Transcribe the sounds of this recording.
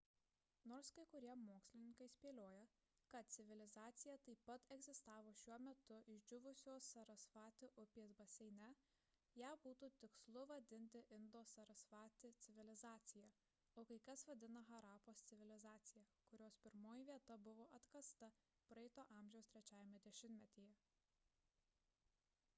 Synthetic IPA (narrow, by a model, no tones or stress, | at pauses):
noːɾskɐɪkʊɾʲiɛmoːksʲlʲɪnʲɪŋkɐɪsʲpʲiɛlʲoːjɛ | kɐt̪̚t̪sʲɪʋʲɪlʲɪzɑːt̪sʲɪjɛt̪ɐɪpːɐt̪ɛɡzʲɪst̪ɑːʋoːʃʲuɔmʲɛt̪ʊʔɪʒʲd͡ʒʲʊʋʊsʲoːsɐɾɐsfɑːt̪ʲɪʔʊpʲiːsbɐsʲɛɪnʲɛ | jæːbuːt̪uːt̪ʲɪkslˠʊʋɐd̪ʲɪnʲt̪ʲɪʔɪnd̪oːsɐɾɐsfɑːt̪ʲɪt̪sʲɪʋʲɪlʲɪzɑːt̪sʲɪjɛ | oːkɐɪkɐsʋɐd̪ʲɪnɐɣɐɾɑːpoːst̪sʲɪʋʲɪlʲɪzɑːt̪sʲɪjɛkʊɾʲoːspʲɪɾmoːjiʋʲiɛt̪ɐbʊʋoːʔɐt̪kɐst̪ɐ | pɾɐɛɪt̪oːʔɑːˑmʲʒʲɛʊst̪ʲɾʲɛt͡ʃʲæːʋʲɪmɛd̪ʲɛʃʲɪmnʲt̪ʲmʲɛt̪ʲijɛ